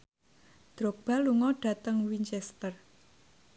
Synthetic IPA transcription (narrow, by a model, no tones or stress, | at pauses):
d̪̥ɾok̚b̥a̤luŋɔɖ̥ä̤t̪əŋwint͡ʃɛst̪ər